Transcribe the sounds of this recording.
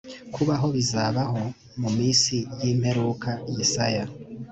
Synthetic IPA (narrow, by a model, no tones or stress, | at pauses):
kʰuβaɦo̞βizaβaho̞ | mumiːsijiːm̥he̞ɾukʰajisaja